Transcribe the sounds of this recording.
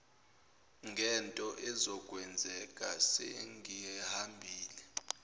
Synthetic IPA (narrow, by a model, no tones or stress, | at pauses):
ŋɡʱɛntʼɔʔɛzɔɡ̥ʱʼwɛnd͡zʱɛkʼasɛ̰ŋijɛhambʱiːlɛ